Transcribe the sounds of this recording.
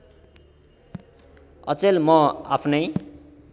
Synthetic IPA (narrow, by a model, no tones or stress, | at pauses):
ʌ̰t͡selmʌa̰pʰnʌj